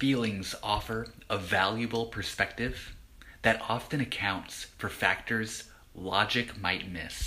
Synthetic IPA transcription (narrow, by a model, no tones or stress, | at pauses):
filˠɪ̃ŋzɔfə˞əvælˠjɨbl̩ˠpʰə˞spɛk̚tɪv̥ | ðɨɾɑfɨ̃ñɨkʰãʊ̃ntsfə˞fæk̚tə˞z̥ | lɑd͡ʒɨkmaɪt̚mɪ̰s